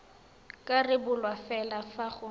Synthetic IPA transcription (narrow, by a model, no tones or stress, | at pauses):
kʼarɪbʊlwafɛlafaχʊ